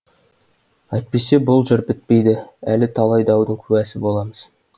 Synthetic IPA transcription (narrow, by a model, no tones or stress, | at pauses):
ɑjt̪̚pe̞se̞bʊlˠʒɪɾbɪt̪̚pe̞jd̪ɪælɪt̪ʰɑlˠɑjd̪ɑwd̪əŋkʲʰʉæsɪbo̞lˠɑməz̥